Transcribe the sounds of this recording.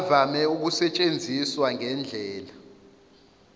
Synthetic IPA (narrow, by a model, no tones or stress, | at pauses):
vamɛuk̬usɛt͡ʃʼend͡zʱiswaŋɛnd͡ɮʱɛːla